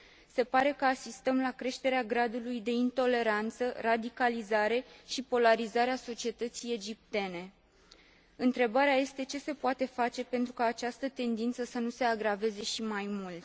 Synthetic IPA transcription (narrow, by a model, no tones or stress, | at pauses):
se̞paɾe̞kəasist̪əmlakɾe̞ʃt̪e̞ɾeaɡɾad̪ulujd̪e̞int̪o̞le̞ɾant̪sərad̪ikalizaɾe̞ʃipo̞laɾizaɾeaso̞t͡ʃie̞t̪ət̪sije̞d͡ʒip̚t̪e̞ne̞ | ɨnt̪ɾe̞baɾeaje̞st̪e̞t͡ʃe̞se̞poat̪e̞fat͡ʃe̞pe̞nt̪ɾukaːt͡ʃast̪ət̪e̞nd̪int̪səsənuse̞aɡɾave̞ze̞ʃimajmult̪